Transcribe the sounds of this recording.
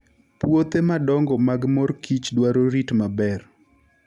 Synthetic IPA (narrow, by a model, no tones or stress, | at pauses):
pwot̪emadɔŋɡɔmaɡmɔrkit͡ʃdwaɾoɾitmabɛr